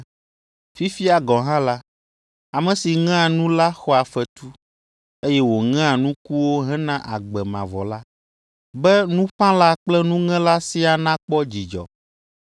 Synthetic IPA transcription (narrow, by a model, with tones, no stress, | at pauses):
fi˦fi˦a˨ɡɔ˨ɦã˦la˦ | a˨mɛ̃˨si˨ŋ̃˦a˨nũ˦la˦xɔ˦a˨fɛ˨t̪u˦ | e˦jɛ˦wo˨ŋɛ̃˦a˨nũ˦ku˦wo˦ɦɛ̃˦nã˦ʔa˨ɡ͡bɛ˨mã̰˨vɔ̰˨la˦ | bɛ˦nũ˦ɸã˦la˦k͡plɛ˦nũ˦ŋɛ̃˦la˦si˦a˨nã˦k͡pɔ˦d͡ʑi˨d͡ʒɔ̰˨